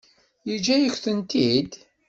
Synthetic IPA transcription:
jid͡ʒæjəçθənt̪id̪

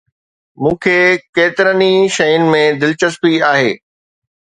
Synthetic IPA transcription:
mũːkʰeːkeːt̪ɪɾəniʃɐjʊnɪ̆mẽd̪ɪlt͡ɕəspiaːɦeː

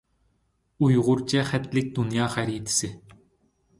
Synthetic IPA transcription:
ujʁʊrt͡ɕɛχæt̪lʲɪk̚d̪unjɑχæɾʲit̪sɘ̆

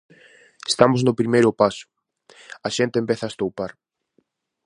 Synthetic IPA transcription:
est̪amʊznʊpɾimejɾʊpasʊ̥ | ɐʃent̪embeθast̪owpaɾ

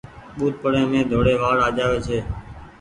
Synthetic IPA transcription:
ɓuːt̪̚pəɽẽːmẽːd̪ʱoːɽeːʋaːɽaːd͡ʒaːʋeːt͡ʃʰeː

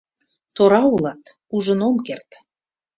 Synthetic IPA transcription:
t̪oɾɑulɑt̪ | uʒə̆nomkert̪

